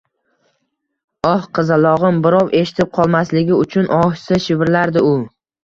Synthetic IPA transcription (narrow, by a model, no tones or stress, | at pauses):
ɒhqʰɨzalˠɒʁɨmbɪɾɒwʔe̞ʃɪ̥t̪ʰɪp̚qʰɒlˠmaslɪɡʲɪʊt͡ʃʰʊnʔɒhsɪʃɪbɾlaɾd̪ɪʊ